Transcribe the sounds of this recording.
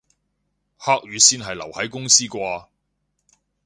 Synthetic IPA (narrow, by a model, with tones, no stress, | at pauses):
haː˥k̚ɥyː˨˧siː˥nɦɐ˨jlɐ˨˩whɐ˨˥jkʊ˥ŋsiː˥kʷaː˧